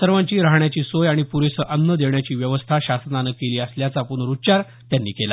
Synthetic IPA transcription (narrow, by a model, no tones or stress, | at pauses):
səɾʋaɲt͡ɕiːɾaɦɳjat͡ɕiːsojaɽ̃ipuɾesəʔənːəd̪eʋɳjat͡ɕiːʋjəʋəst̪ʰaɕasnanəkeliːəsljat͡sapuɳɾut͡ɕaɾ | t̪janːḭːkela̰